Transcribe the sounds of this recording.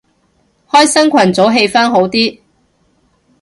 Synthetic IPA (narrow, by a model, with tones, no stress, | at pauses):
hɔː˥jsɐ˥nkʷʰɐ˨˩nt͡so˨˥wɦe˧jfaː˥nɦo˨˥wt̪iː˥